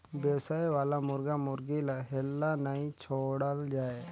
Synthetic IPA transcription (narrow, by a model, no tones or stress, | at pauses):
bjəwsaːjʋaːlamʊɾɡamʊɾɡilaɦɛlːanaĩt͡ʃʰoːɽəld͡ʒaːe